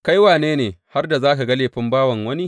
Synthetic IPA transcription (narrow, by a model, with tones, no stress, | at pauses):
ka˦jwaː˨neː˦neː˨ha˦rda˨zaː˦ka˨ɡa˦leː˨ɸɪ˦mbaː˦wɐ˨ŋwɐ˦ni˦